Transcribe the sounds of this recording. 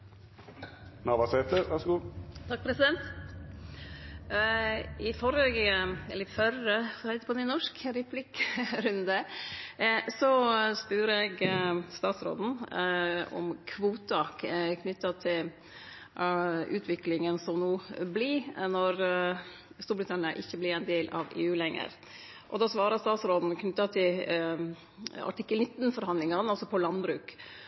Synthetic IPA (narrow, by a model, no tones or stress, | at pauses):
nɑʋɑseːt̪ləɾʋæʂɡuːt̪ʰɑk̚pɾɛsɪd̪ɛnt̪ | ɪfɔɾəɡɛ̰lːəɾɪfœɾəhɛɪt̪əpʰɔd̪ɛnɔʂkɾɛpʰlɪkɾʉnd̪ə | sɔspʉɾɛɡst̪ɑːt̪sɾo̰ːd̪n̩ | ɔ̰mkʰʋuːt̪ɑkʰnʏt̪ːɑt̪ʰɪl | ʉ̰ːt̪ʰʋɪklɪŋənsɔmnuːblinɔɾ | st̪uːɾbɾɪt̪ʰɑnɪəʔɪçːəblɪɾɛnd̪eːlʔɑ̰ʋḛːʉːlɛŋːə̰ɾ | ʔɔd̪ɑːsʋɑːɾɑst̪ɑːt̪sɾoːd̪n̩kʰnʏt̪ːɑt̪ʰɪl | ɑ̰ʈʰɪkːəlnɪt̪ːnfɔɾhɑnd̪lɪŋɑnɑlsɔpʰɔlɑnbɾʉːk